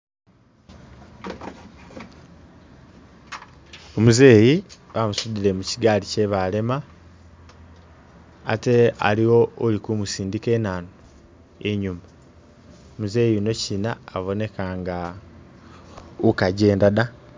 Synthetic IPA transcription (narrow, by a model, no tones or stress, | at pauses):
o̞muze̞ːjiβamusudiɾe̞muciɡaːlice̞βale̞ma | te̞a̰liwo̞olikumusiːndike̞ːnano | eɲuma | omuzeːjino̞cinaːβo̞ne̞kaŋɡa | ukaɟe̞ːndana